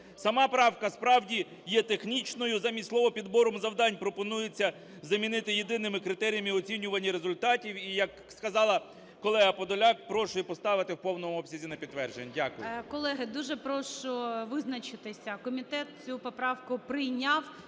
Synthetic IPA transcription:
sɐmɑpɾɑwkɐspɾɑwdʲi | jɛt̪e̞xnʲit͡ʃnɔjʊzɐmʲislˠɔʋɔpʲid̪bɔɾɔmzɐwd̪ɑnʲpɾɔpɔnujet͡sʲːɐ | zɐmʲinɪt̪ɪjed̪ɪnɪmɪkɾɪt̪ɛɾʲijɐmiɔt͡sʲinʲʊʋɐnʲːiɾezʊlʲt̪ɑtʲiwijɐk | skɐzɑlˠɐː | ɔlˠɛɦɐpɔd̪ɔlʲɑk̚pɾɔʃʊjɛpɔst̪ɑʋɪt̪ɪwpɔwnɔmʊɔbsʲɐzʲinɐpʲidt̪ːʋɛrʒenʲːdʲakʊjʊkɔlˠɛɦɪd̪uʒɛpɾɔʃt͡ʃɔʋɪznɐt͡ʃɪt̪ɪsʲɐkɔmʲit̪ɛt̪̚t͡sʲupɔpɾɑwkʊpɾɪjnʲaw

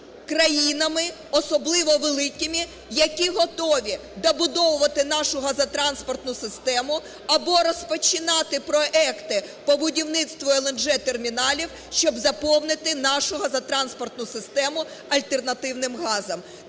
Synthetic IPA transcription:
kɾɐjinɐmɪ | ɔsɔblˠɪʋɔʋelˠɪkʲɪmʲi | jɐkʲiɦɔt̪ɔʋʲi | d̪ɐbʊd̪ɔʋʊʋɐt̪ɪnɑʃʊɦɐzɐt̪ɾɑnspɔrt̪nʊsɪst̪ɛmʊ | ɐbɔɾɔspɔt͡ʃʲɪnɑt̪ɪpɾɔʔɛkt̪ɪpɔbʊdʲiwnɪt̪st̪ʋɔɛlˠɛnʒɛt̪ermʲinɑlʲiw | ʃt͡ʃɔbzɐpɔwnɪt̪ɪnɑʃʊɦɐzɐt̪ɾɑnspɔrt̪nʊsɪst̪ɛmʊ | ɐlʲt̪ernɐt̪ɪwnɪmɦɑzɐm

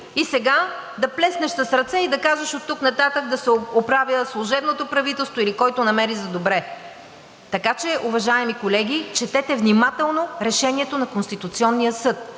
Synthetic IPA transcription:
isɛɡad̪ɐplɛsnɛʃsəsɾɐt̪sɛid̪ɐkaʒɛʃot̪ːuknɐt̪at̪əkd̪ɐsɛopɾavjəslˠuʒɛbnot̪opɾɐvit̪ɛlˠst̪voilikɔjt̪onɐmɛɾizɐd̪obɾɛ | t̪ɐkat͡ʃɛʔuvɐʒaɛmikolɛɡʲit͡ʃɛt̪ɛt̪ɛvnʲimat̪ɛlˠnoɾɛʃɛniɛt̪onɐkonst̪it̪ut̪siɔnːijəsɤt̪̚

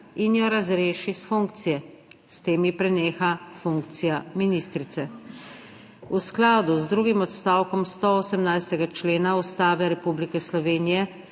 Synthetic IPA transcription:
injɔɾazɾeːʃisfuŋk̚t̪sijɛ | st̪eːmjipɾɛneːxafuŋk̚t̪sijaminist̪ɾit̪sɛ | usklaːd̪uzd̪ɾuːɡimɔt̪st̪aːwkɔmst̪ɔoːsɛmnajst̪ɛɡat͡ʃleːnaust̪aːʋɛɾɛpublikɛslɔʋeːnijɛ

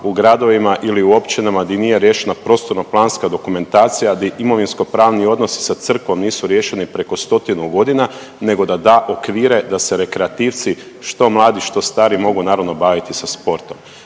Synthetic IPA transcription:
uɡɾad̪o̞ʋimaʔiliuo̞pt͡ʃinamad̪inijeɾje̞ʃenapɾo̞st̪o̞ɾnoplˠaːnskad̪o̞kume̞nt̪aːt̪sijad̪iʔimo̞ʋinsko̞pɾaːʋnio̞d̪no̞si̥sat̪sr̩kʋo̞mniːsuɾje̞ːʃe̞nipɾe̞ko̞st̪o̞t̪inuɡo̞d̪ina | ne̞ɡo̞d̪ad̪aːʔo̞kʋiːɾe̞d̪aseɾe̞kɾe̞at̪iːʋt̪si | ʃt̪o̞mlˠaːd̪iʃt̪o̞st̪aːɾimo̞ɡunaːɾaʋno̞baːʋit̪isaspo̞ɾt̪o̞m

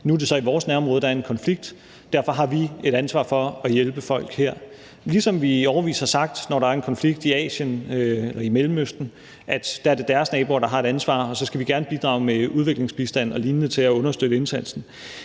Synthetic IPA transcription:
nuæde̝sɒ̽iʋɒːsnæɐɒmʁɔð̩ˠd̥ɑɐe̝nkʰɒ̽nfliɡ̥̚d̥ | d̥æɐ̰fɒ̽ɦɑ̈ʋie̝ɾ̥ænsʋɑ̰̈fɒ̽ːjelb̥əfɒ̽l̰ɡ̥heɐ̰ | lisɒ̽mʋiɒʊɐʋḭːshɑ̈sɑ̈ɡ̥̚d̥nɒɾɑ̈æɐe̝nkʰɒ̽nfliɡ̥̚d̥iɛ̰ːɕənøelʔɐimelm̩øsd̥n̩ | ʔæd̥d̥æ̈æɐd̥e̝d̥æɐsnɛːb̥o̝ːɾ̥ɑ̈ɦɑ̈e̝ɾ̥ænsʋɑ̰̈ːɒ̽sɒ̽sɡ̥æʋiɡ̥æɐnəb̥id̥ʁɑ̈ːʊmeuð̞ˠʋe̝ɡ̥le̝ŋsb̥isd̥æn̰ɒ̽liːnnət͡sʰe̝læɔ̽nɐsd̥ød̥əe̝nsæn̰sn̩

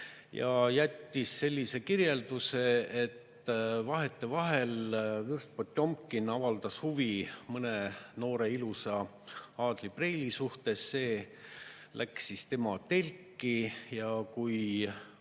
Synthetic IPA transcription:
jɑ̰jæt̪ʲːisːe̞lʲːise̞kirje̞ld̪̥use̞et̪ː | vɑɦet̪ːˑe̞vɑɦe̞lvɯrst̪̚pot̪ʲːˑjo̞mkːˑinːɑvɑld̪̥ɑshuvimɤneno̞ːɾe̞ilusɑ | ɑːd̪̥lib̥re̞jlisuht̪e̞sːe̞ː | lʔæksist̪e̞mɑt̪e̞lʲkˑːijɑkuj

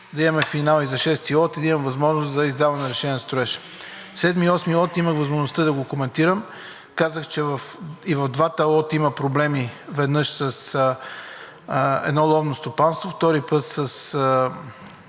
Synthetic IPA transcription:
d̪ɐiɐmɛfinalˠizɐʃɛst̪ilˠɔt̪id̪ɐimɐmvɐzmɔʒnoszɐizd̪avɐnɛɾɛʃɛniɛnɐst̪ɾʊɛʃɛ̥ | sɛd̪miɔsmilˠɔt̪iməxvɐzmoʒnʊst̪əd̪ɐɡokomɛnt̪iɾəm | kazəxt͡ʃɛvɐfivɐvd̪vat̪əlˠɔt̪iməpɾoblɛmivɛd̪nɤʃsɐs | ɛ̰d̪nɔlˠɔvnost̪opanst̪voft̪ɔɾipɤt̪səs

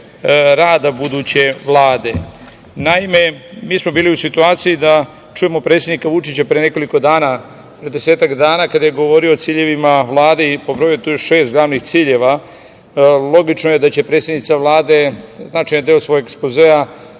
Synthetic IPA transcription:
ɾaːd̪abud̪ut͡ɕe̞ʋlˠaːd̪e̞ | naime̞miːsmo̞biːliusit̪uaːt̪sijid̪a | t͡ʃuje̞mo̞pɾet̪sjed̪nikaʋut͡ʃit͡ɕapɾeene̞ko̞liko̞d̪aːna | pɾed̪e̞seːt̪akd̪aːnakad̪aje̞ɡo̞ʋo̞ɾioːt̪siːʎe̞ʋimaʋlˠaːd̪eipobɾojet̪ujoʃe̞ːst̪̚ɡlaːʋnixt̪siːʎe̞ʋa | lˠo̞ɡit͡ʃnoje̞d̪at͡ɕe̞pɾet̪sjenit̪saʋlˠaːd̪e̞znaːt͡ʃajnad̪eosʋo̞jɡekspozea

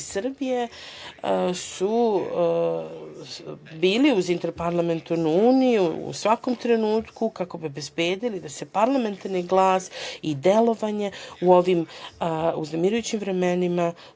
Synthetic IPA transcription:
sr̩bije̞ | su | biːliuzint̪e̞ɾpaɾlˠame̞nt̪aɾnuuːnijuṵsʋako̞mt̪ɾe̞nuːt̪kukako̞biobe̞zbe̞ːd̪ilid̪asepaɾlˠame̞nt̪aɾniɡlˠaːsid̪e̞lo̞ʋaɲe̞uo̞ʋim | ṵznemiɾujut͡ɕimvɾe̞me̞nima

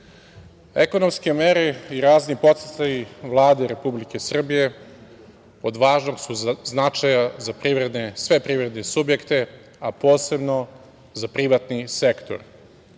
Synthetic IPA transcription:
eko̞no̞mske̞meɾeiɾaːznipo̞t̪set̪ajiʋlˠaːd̪eɾe̞publike̞sr̩bije̞ | od̪ʋaːʒnoɡsuznat͡ʃajazapɾiʋɾe̞d̪ne̞sʋe̞pɾivɾed̪nesubje̞kt̪e̞ | apo̞ːse̞bno̞ | zapɾiʋat̪nise̞kt̪o̞̰ɾ

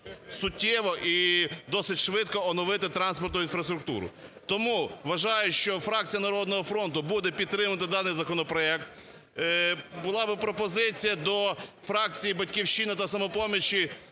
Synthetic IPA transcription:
sʊtʲːɛʋɔʔid̪ɔsɪtʲʃʋɪt̪kɔɔnɔʋɪt̪ɪt̪ɾɑnspɔrt̪ʊinfɾɐst̪ɾʊk̚t̪ṵɾʊ̰t̪ɔmuʋɐʒɑjʊʃt͡ʃɔfɾɑk̚t͡sʲijɐnɐɾɔd̪nɔɦɔfɾɔnt̪ʊbud̪ɛpʲid̪̚t̪ɾɪmʊt̪ɪd̪ɑnɪjzɐkɔnɔpɾɔɛkt̪ | bʊlˠɑbɪpɾɔpɔzɪt͡sʲijɐd̪ɔfɾɑk̚t͡sʲijibɐtʲkʲiwʃt͡ʃinɪt̪ɐsɐmɔpɔmʲit͡ʃi

